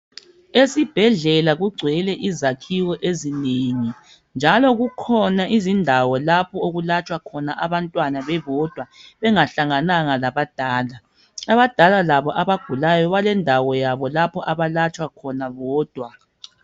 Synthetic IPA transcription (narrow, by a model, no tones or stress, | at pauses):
esib̥ʱɛɮɛlaɣuɡ͡ǀʱwɛlɛʔizakʰiɣɔʔezineŋi | nd͡ʒʱalɔɣukʰɔnaʔizindʱawɔlapʰɔoɣulat͡ʃʼwakʰɔnaʔaβantʼwanaβɛβɔd̥ʱwaβɛŋaɬaŋanaŋalaβad̥ʱaːla | aβad̥ʱalalaβɔʔaβaɡ̥ʱulajɔβalɛndʱawɔjaβɔlapʰɔʔaβalat͡ʃʼwakʰɔnaβɔːd̥ʱwa